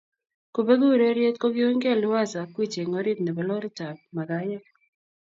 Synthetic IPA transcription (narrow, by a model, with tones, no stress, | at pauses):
ko˨be˦ɡu˦˨ɾe˦ɾje˦t̪ko˦ɡjo˦ŋɡe˦˨lʊ˦wa˦sa˨kwi˦t͡ʃe˨ŋo˦ɾi˦tnɛ˨bɔ˨lɔ˦ɾi˦ta˨p̚ma˨ɡa˦jɛ˦